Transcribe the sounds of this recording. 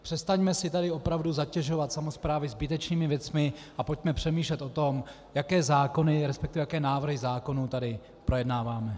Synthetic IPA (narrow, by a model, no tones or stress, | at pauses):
pr̥ɛst̪aɲmɛsɪt̪adɪo̞pɾavduzacɛʒo̞vat̪samo̞spɾaːvɪzbɪt̪ɛt͡ʃniːmɪvjɛt͡smɪʔapo̞cmɛpr̝̥ɛmiːʃlɛt̪ʔo̞t̪o̞m | jakɛːzaːko̞nɪɾɛspɛ̥k̚t̪ɪvɛjakɛːnaːvr̩ɦɪzaːko̞nuːt̪adɪ | pɾo̞jɛdnaːvaːmɛ